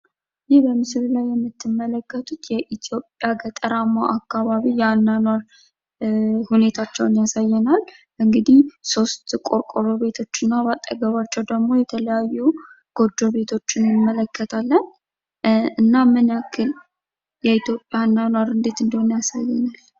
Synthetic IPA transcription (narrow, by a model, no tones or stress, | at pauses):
jɪhbəmɨsɨlulajːɛmːɨt̪ːɨmːələkːət̪ʰut̪jɛʔit̪ʰjo̞pʼjaɡət̪ʼəɾamːaʔakːaβaβijanːanwaɾ | hune̞t̪ʰat͡ʃːɛwnjasajːɛnal | ʔɨŋɡɨd̪ihso̞st̪kʼo̞ɾkʼoɾo̞βe̞t̪ʰo̞t͡ʃːɨnːabat̪ʼːə̰ɡəβat͡ʃːɛwd̪əɡmo̞jɛt̪ʰələjajːu | ɡ̥o̞d͡ʒːoβe̞t̪ʰo̞t͡ʃːɪnɨmːələkːət̪ʰalːən | ɨnːamɨnakʰːɨl | jɛit̪jo̞pʼːjanːanwaɾɨnd̪e̞t̪ɨnd̪əhonjasajːɛnal